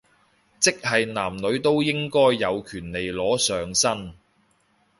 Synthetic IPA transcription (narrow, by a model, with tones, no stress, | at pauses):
t͡sɪ˥k̚hɐ˨jnaː˨˩mnɵ˨˧ɥt̪o˥wjɪ˥ŋkɔː˥jːɐ˨˧wkʰyː˨˩nle˨jlɔː˨˥sœː˨ŋsɐ˥n